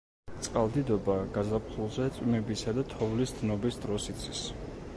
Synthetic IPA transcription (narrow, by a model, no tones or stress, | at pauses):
t̪sʼqʼalˠd̪id̪ɔbaɡazapχulˠzɛt̪sʼwimɛbisad̪at̪ʰɔvlisd̪nɔbisd̪ɾɔsit̪sʼʰwis